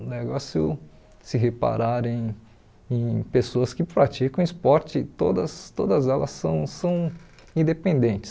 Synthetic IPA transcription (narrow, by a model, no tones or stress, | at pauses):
neɡɔsjʊ̰ | sɪɦepa̰ɾaɾẽj̃ | ẽj̃pesoɐskɪpɾat͡ʃikɐ̃w̃ispɔɾt͡ʃɪt̪o̰d̪ɐst̪od̪ɐzɛlɐ̰sːɐ̰̃w̃sɐ̃w̃ | ĩd̪epẽnd̪ẽnt͡ʃɪ̥